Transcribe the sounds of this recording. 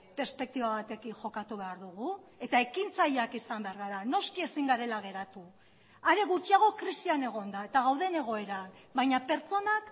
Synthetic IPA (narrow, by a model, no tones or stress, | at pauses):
pe̞ɾspe̞k̚t̪iβaβat̪e̞kiŋʝo̞kat̪uβ̞e̞aɾðuɣ̞ue̞t̪ae̞kint͡sajakisambe̞aɾɣaɾano̞skie̞siŋɡaɾe̞laɣ̞e̞ɾat̪u | aɾe̞ɣut͡ʃiaɣ̞o̞kɾisiane̞ɣ̞o̞nd̪ae̞t̪aɣ̞awðe̞ne̞ɣ̞o̞e̞ɾabajɲape̞ɾt͡so̞nak